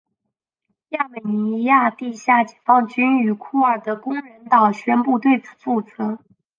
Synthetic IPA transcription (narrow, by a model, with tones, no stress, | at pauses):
ja˥˩mə˨˩n˧i˧˥ja˥˧t̪i˥˧ɕja˥˩t͡ɕɛ˨˩fɑ˥ŋt͡ɕy˥ny˨˩kʰu˥˩ə˞˨˩d̪ə˦kʊ˥ŋɻə˧˥nt̪ɑ˨˩ʊɕɥɛ˥npu˥˧t̪we˥˩ɪt͡sʰu̥˨˩t͡su˥˩t͡sɤ˧˥